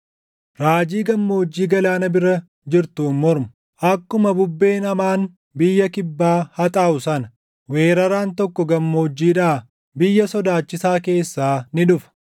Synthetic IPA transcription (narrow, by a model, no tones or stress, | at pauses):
ɾaːd͡ʒiːɡɐmːo̞ːd͡ʒːiːɡɐlaːnɐbɪɾɐ | d͡ʒɪɾt̪uːnmɔɾmʊ̥ | ʔɐkːʊmɐbʊbːe̞ːnɐmaːn | bɪjːɐkɪbːaːhɐt̪ʼaːʊsɐnɐ | weːɾɐɾaːnt̪ɔkːɔɡɐmːo̞ːd͡ʒːiːᶑaː | bɪjːɐsɔd̪aːt͡ʃːɪsaːke̞ːsːaːnɪᶑʊfɐ̥